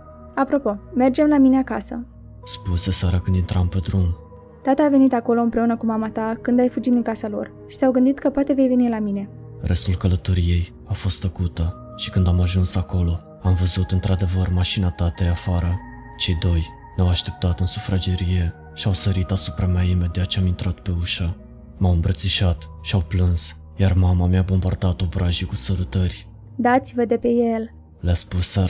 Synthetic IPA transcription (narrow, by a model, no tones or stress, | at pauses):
apɾo̞po̞me̞rd͡ʒe̞mlamine̞akasə̰ | spusesaɾəkɨnd̪int̪ɾampe̞d̪ɾun | t̪at̪əːve̞nit̪ako̞lo̞ɨnpɾe̞unəkumamat̪akɨnd̪ajfud͡ʒit̪̚d̪iŋkasalo̞̰r | ʃi̥sawɡɨnd̪it̪̚kəpoat̪e̞ve̞jve̞nilamine̞ | rest̪ulkələt̪o̞ɾije̞j | afo̞st̪əkut̪ə | ʃi̥kɨnd̪amaʒunsako̞lo̞ | amvəzut̪ɨnt̪ɾad̪e̞vərmaʃinat̪at̪eafaɾə | t͡ʃe̞jd̪o̞j | nawaʃt̪e̞p̚t̪at̪ɨnsufɾad͡ʒeɾije̞ | ʃawsəɾit̪asupɾamaimed̪eat͡ʃeamint̪ɾat̪pe̞uʃa | mawɨmbɾət̪siʃat̪ʃiawplɨns | jarmamameabo̞mbard̪at̪o̞bɾʔaʒikusəɾut̪ərʲ | d̪at̪sivəd̪e̞pe̞jel | leaspusə